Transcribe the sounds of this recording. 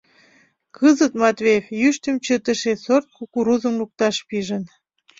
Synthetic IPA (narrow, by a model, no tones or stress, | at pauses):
kʰəzət̪mɑt̪vejefjyʃt̪ə̆mt͡ɕət̪ə̆ʃesort̪̚kukuɾuzəmluk̚t̪ɑʃpiʒən